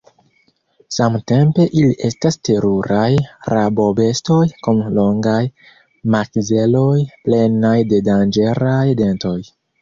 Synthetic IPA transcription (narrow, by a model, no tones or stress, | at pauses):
samte̞mpe̞ʔiliʔe̞staste̞ɾuɾajɾabo̞be̞sto̞jkumloŋɡaj | makze̞lo̞jple̞najde̞dand͡ʒe̞ɾajde̞nto̞j